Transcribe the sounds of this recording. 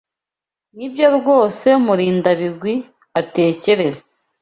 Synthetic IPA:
nibjo̞ɾɡo̞ːse̞muɾiːndaβiɡwi | ate̞ːce̞ɾe̞ze̥

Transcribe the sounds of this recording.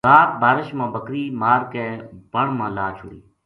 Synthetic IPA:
aːt̪̚baːɾɪʃmãːbəkɾiːmaːɾkeːbəɳmãːlaːt͡ʃʰʊɽḭː

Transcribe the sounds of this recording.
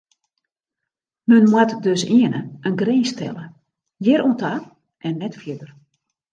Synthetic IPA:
mənmwatdøsiənəʔənɡreːstʰɛ̰lə | jɪɾuəntʰa | ʔɛnːɛtfjɪdər

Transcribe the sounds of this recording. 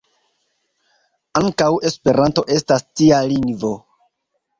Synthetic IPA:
aŋkawe̞spe̞ɾanto̞ʔe̞stastialiŋɡvo̞

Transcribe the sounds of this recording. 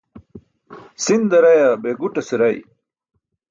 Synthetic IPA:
sind̪ɐɾɐjɐbeːɡuʈɐsiɾɐj̰

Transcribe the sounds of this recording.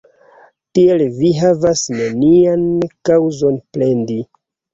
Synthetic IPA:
tielviɦavasneniankawzo̞nplendi

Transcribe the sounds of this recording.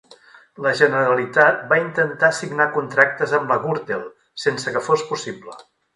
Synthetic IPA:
ləʒənəɾəlit̪at̪̚baint̪ənt̪asiɡnakunt̪ɾak̚t̪əzəmləɣuɾt̪elˠ | sensəkəfospusiblə

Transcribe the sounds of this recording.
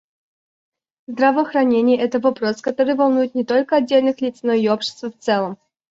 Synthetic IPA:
zd̪ɾɐvəxɾɐnʲenʲɪjəɛt̪əvɐpɾo̞skɐt̪o̞ɾɨjvɐlˠnujʊt̪̚nʲɪt̪o̞lʲkəɐdʲːelʲnɨxlʲit̪snoiopɕɪ̥st̪vəft̪sɛlˠəm

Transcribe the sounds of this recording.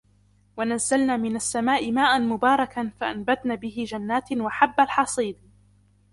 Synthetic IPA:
wanazːalnaːmɪnasːamaːʔɪmaːʔanmʊbɑːɾˤɑkanfaʔanbat̪naːbɪɦɪd͡ʒanːaːt̪waħabːalħɑsˤiːd̪

